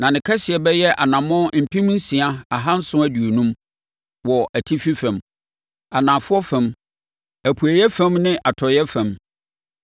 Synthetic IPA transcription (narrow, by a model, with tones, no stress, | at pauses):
nã˨nɪ̃˨kʰɛ˦sɪ˨ɛ˨bɛ˦jɛ˦ʔa˨nã˨mɔ̃˦m̩˨pʰĩ˦m˦n̩˦sĩ˨a˦a˨ɦa˦n̩˦sʊ̃˦æ˦du˨o˨nũ˦m | wɔ˨ʔæ˨tʰi˦fi˦fɛ̃˨m | a˨nã˨fʊ˦ɔ˦fɛ̃˦m | æ˨pʰu˨æ˨jɛ˦fæ̃˦mnɪ̃˦ʔa˨tʰɔ˨jɛ˦fɛ̃˨m